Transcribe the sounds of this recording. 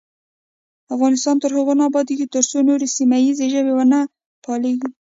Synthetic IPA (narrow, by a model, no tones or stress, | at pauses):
afɣɑnɪst̪ɑnt̪əɾɦəɣonɑbɑd̪iket̪əɾsonoɾesimajizeʒəwewana | pʰɑleɡi